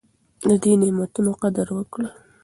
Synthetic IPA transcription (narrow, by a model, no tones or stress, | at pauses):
ləd̪enemat̪unoqad̪aɾwəkɽə